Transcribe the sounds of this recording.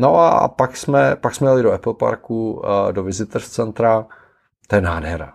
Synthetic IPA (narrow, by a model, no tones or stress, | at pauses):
noʔa̰paksmɛpaksmɛjalɪdoɛpl̩pa̰ɾkudovɪzɪt̪rst͡sɛnt̪ɾa | t̪ojɛnaːdɦɛɾa̰